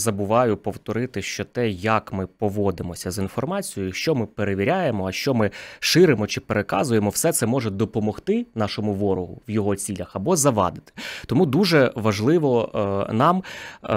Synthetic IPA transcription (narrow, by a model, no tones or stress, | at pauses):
zɐbʊʋɑjʊpɔwt̪ɔɾɪt̪ɪʃt͡ʃɔt̪ɛjɐkmɪpɔʋɔd̪ɪmɔsʲɐzinfɔrmɑt͡sʲijʊjʊʃt͡ʃɔmɪpeɾeʋʲiɾʲajemɔɐʃt͡ʃɔmɪʃɪɾemɔt͡ʃɪpeɾekɑ̰zʊjemɔwsɛt̪sɛmɔʒɛd̪ɔpɔmɔxt̪ɪnɑʃɔmʊʋɔɾʊɦʊ̰ʋjɔɦɔt͡sʲilʲɐxɐbɔzɐʋɑ̰d̪ɪt̪ɪ̥t̪ɔmud̪uʒɛʋɐʒlˠɪʋɔnɑm